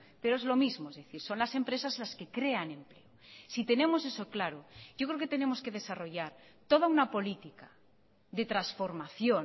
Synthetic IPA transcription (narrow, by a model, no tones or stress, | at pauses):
peɾoezlo̞mizmoezðeθiɾso̞nlasempɾe̞sazlaskekɾeanẽ̞mpleosit̪e̞nẽ̞mosesoklaɾoɟ͡ʝok̬ɾeoket̪enemoske̞ð̞esaro̞ʝaɾ | t̪oð̞aunapo̞lit̪ika | ðe̞t̪ɾasfoɾmaθjo